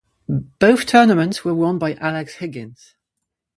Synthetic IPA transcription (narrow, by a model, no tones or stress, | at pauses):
b̥əʊθtʰɜːnəmə̃ntswəwɔ̃ːnbaɪʔalɛkshɪɡɪ̃nz̥